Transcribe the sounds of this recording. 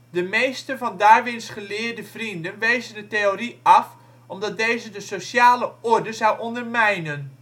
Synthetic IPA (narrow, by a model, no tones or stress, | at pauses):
dəmejstəvɑndaːɹʋɪnsχəlɪːɹdəv̥rindənʋejzəndəteoriɑf | ɔmdɑt̚dejzədəsosjaːləɔɹdəzawʔɔndərmɛjnən